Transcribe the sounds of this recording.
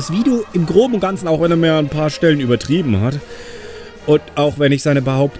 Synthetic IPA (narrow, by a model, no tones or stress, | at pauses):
asv̥iːduːɪmɡʁoːbm̩ʊnt̚ɡ̥ant͡sn̩aʊxv̥ɛneːɐmiːɐanpʰaːɐʃtɛlənyːbɐtʁ̥iːbm̩hat | ʔʊntʔaʊxvɛnɪçz̥aɪnəbəhaʊpt